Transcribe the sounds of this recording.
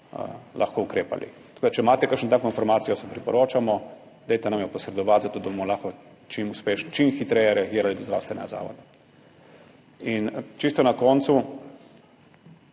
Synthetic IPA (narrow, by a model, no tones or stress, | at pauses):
lʔa̰xkoukɾeːpa̰lḭt̪ɐ̥koːd̪at͡ʃɛmaːt̪ɛkəɾkʃnɔt̪aːkinfɔɾmaːt̪sijɔsɛpɾipɔɾoːt͡ʃamɔ | d̪ɛjt̪ɛnamjɛpɔsɾɛd̪ɔʋat̪zat̪oːd̪abomɔlaxkɔ | t͡ʃimuspeːʃnt͡ʃimxit̪ɾɛjɛɾɛaɡiːɾalid̪ɔzd̪ɾa̰wst̪ʋɛnɛɡaza̰ːʋɔ̰d̪a | int͡ʃist̪ɔnakɔːnt̪su